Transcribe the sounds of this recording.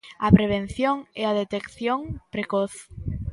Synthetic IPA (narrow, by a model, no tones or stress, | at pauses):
ɐpɾeβ̞ẽn̟θjoŋɛaðet̪ekθjoŋpɾekoθ